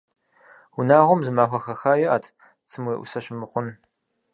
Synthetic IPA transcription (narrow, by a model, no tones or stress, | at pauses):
ʊnaːʁʷɔmzɨmaːxʷɐxɐxaːjɪʔa̰ːtʰ | t͡sʰɨmweːʔʷʊ̰sɐɕɪmɨχʷʊn